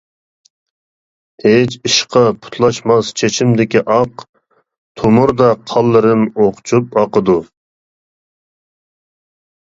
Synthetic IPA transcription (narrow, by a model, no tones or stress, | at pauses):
het͡ʃʰiʃqʰɑpʰu̥t̪ʰlˠɑʃmɑst͡ʃʰet͡ʃʰimd̪ɪkʲiʔɑq | t̪ʰomuɾd̪ɑqʰɑlˠːɨɾɨmoqʰt͡ʃʰupɑqəd̪u